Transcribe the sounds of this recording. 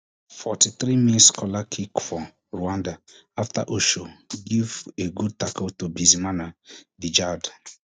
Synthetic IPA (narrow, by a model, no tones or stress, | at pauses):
fɔtiθɾimĩnskʰɔlakʰikfɔ | ɹuãnda | afta̰ʔoʃoɡiveɡud̚takotobizimanadid͡ʒad